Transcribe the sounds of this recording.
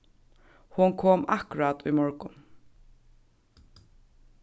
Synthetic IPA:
hʊnkʰoːma̰hkʊɹat̪ʊjmɔɹkʊn

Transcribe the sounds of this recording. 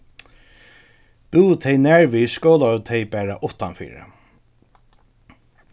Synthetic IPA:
b̥uːt̪ʰɛjnæɹʋiːskoːlaɔt̪ʰɛɪbæːɹa̰ʔʊht̪anfḭːɹə̰

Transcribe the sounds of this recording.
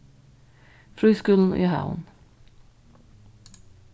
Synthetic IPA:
fɾyːskʉln̩ʔḭːhɑ̰ʊn

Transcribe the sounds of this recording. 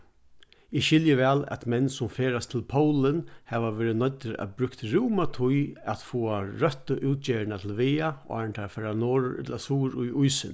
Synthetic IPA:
ɪʃɪljəʋɛːlæ̰t̪mɛnːsʊmfeːɾast̪ʰɪlpʰowlɪnhɛːʋaʋeːɾɪnœt̪ːɪɾæ̰ðbɾʏkt̪ɾuːmat̪ʰʊjæt̪fuːaɾœt̪əʔʉːt̪̚t͡ʃeːɪɳat̪ʰɪlʋeːa̰a̰ɹɳt̪ʰafɛɾanoːɾʊɾɪ̰t̪lasuːɾʊjʊjsɪn

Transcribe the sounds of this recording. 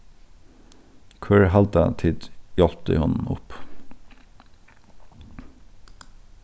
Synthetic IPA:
kʰʉɹhɑld̪ət̪ʰɪd̪jɔlpt̪ə̰hʊnn̩ʊ̰p

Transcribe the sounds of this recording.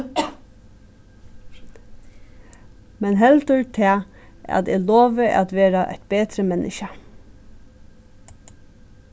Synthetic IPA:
mɛnɦɛlt̪əɹt̪ʰɛː | æ̰t̪eloːʋəʔa̰t̪ʋeːɾaʔɛ̰jt̪̚beːt̪ɾəmɛnʔɪ̰ʃə

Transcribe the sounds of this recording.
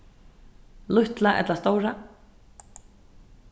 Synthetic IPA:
lʊht̪laʔɛ̰t̪last̪owɾa

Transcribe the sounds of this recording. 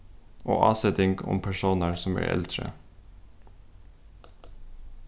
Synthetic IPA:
ʔoːʔɑːsɛd̪ɪŋɡʊ̰mpʰæʃuːnɑɹsɔmæ̰ːʔɛ̰lt̪ɾə̰

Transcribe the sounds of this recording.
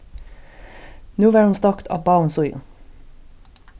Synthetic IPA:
nuːʋæːɾhʊnst̪ɑkt̪ʰɑ̰ːbɑːn̩sʊʏʊ̰

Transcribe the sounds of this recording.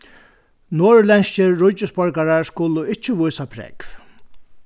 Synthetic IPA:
noːɹlɛnscɪːʊt͡ʃːɪspɔɹkaɾaɹskʊlʊɪt͡ʃːɪʋʊjsapʰɾɛ̰kv

